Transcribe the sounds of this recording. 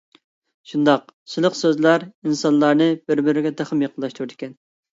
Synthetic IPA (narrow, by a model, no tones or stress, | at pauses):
ʃund̪ɑqsɨlˠəqsøzlæɾinsɑnlˠɑɾnɨbɪɾbɪɾɪɡʲɛd̪æχəmjɑqəlːˠɑʃt̪ʰuɾɪd̪ɪkʲɛn